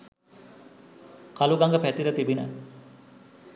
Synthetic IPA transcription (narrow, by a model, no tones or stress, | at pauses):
kaluɡaŋɡəpæt̪iɾət̪ibinə̰